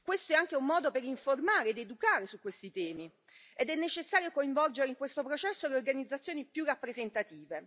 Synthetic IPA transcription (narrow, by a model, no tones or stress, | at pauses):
kwest̪oɛaŋk̟eumːɔːd̪opeɾiɱformaːɾeːd̪ed̪ukaːɾesukːwest̪it̪ɛːmi | ed̪ɛnːet͡ʃesːaːɾjokoiɱvɔld͡ʒeɾeiŋkwest̪opɾot͡ʃɛsːoleorɡanid̪zːat̪sːjoːnipjurːapːɾezent̪at̪iːve